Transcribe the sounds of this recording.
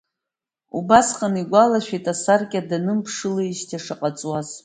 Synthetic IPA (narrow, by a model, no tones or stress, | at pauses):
ubasqʼaniɡʷalaʃᶣitʼasarkʲʼadanɨmpʰʂɨlɨiʃtʰaʂaqʼat͡sʼwaz̥